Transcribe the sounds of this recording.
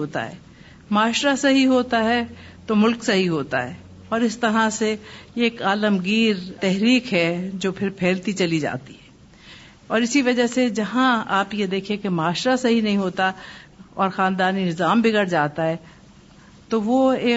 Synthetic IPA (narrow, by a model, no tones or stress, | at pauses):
ɦoːt̪a̰ɦɛ̰ː | maːʃɾasɐɦiɦoːt̪aɦɛ | t̪omʊlksɐɦiɦoːt̪a̰ɦɛː | ɔːɾɪst̪ɐɾãseːkaːləmɡiːɾt̪ɛɦɾiːkɦɛd͡ʒoːpʰɪɾpʰɛːlt̪it͡ʃɐlid͡ʒa̰ːt̪iɦɛː | ɔːɾɪsiʋɐd͡ʒəɦsed͡ʒɐɦãaːpjed̪eːkʰẽkemaːʃɾasɐɦinɐɦĩɦoːt̪aɔːɾxãːnd̪aːninɪzaːmbɪɡəɾd͡ʒaːt̪aɦɛː | t̪oʋoeː